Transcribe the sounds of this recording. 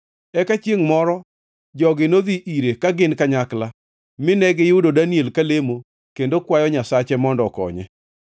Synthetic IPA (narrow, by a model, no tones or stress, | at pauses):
ɛkat͡ʃjeŋmɔɾɔ | d͡ʒɔɡɪnoðiʔiɾekaɡɪnkaɲakla | mɪnɛɡɪjʊdodanielkalemo | kendokwajɔɲasat͡ʃɛmɔndɔkɔ̰ɲɛ̰